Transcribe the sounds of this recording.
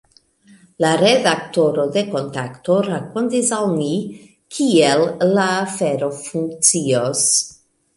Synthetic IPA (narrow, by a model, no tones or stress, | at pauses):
laɾedakto̞ɾode̞ko̞nt̪akto̞ɾakontisawmi | kʰielːaːfeɾo̞fuŋk̚t͡sios